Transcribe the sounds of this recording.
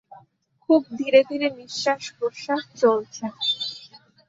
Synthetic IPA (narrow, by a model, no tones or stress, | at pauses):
kʰub̚d̪ʱiɾed̪ʱiɾemiʃːaʃkoɾʃaɦt͡ɕolt͡ɕʰe